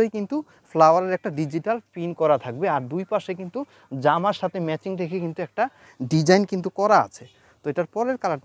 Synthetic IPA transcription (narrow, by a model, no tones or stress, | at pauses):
ejkint̪u | flawaɾeɾɛk̚ʈaɖid͡ʑiʈalpinkɔɾat̪ʰak̚beaɾd̪ujpaʃekint̪u | d͡ʑamaɾʃat̪ʰemɛt͡ɕiŋɾekʰekint̪uɛk̚ʈa | ɖid͡ʑajnkint̪ukɔɾaa̰t͡ɕʰe | t̪oeʈaɾpɔɾeɾkalaʈ